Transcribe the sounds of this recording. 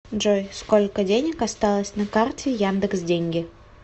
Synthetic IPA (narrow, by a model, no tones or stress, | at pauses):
ʐojsko̞lʲkədʲenʲɪkast̪ɑlˠəsʲnakartʲɪjand̪əksdʲeŋʲɡʲɪ